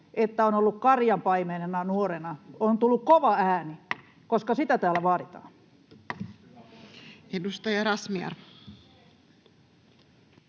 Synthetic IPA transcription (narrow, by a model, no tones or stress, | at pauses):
ʔet̪ːæonolːukkɑrjɑmpɑimenenɑnuoɾenɑont̪ulːukkoʋɑæːni | koskɑsit̪æt̪æːlæʋɑːɾit̪ɑ̰ːn | edust̪ojɑɾɑsmiɑ̰r